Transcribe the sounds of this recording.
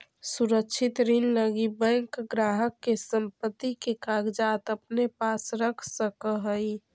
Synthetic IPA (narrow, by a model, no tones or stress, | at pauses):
suɾəkt͡ʃʰɪt̪ɾinləɡibɛ̃ŋkɡɾaːɦəkːesə̃mpət̪ːikekaɡd͡ʒat̪əpnepasɾəkʰsəkəɦəi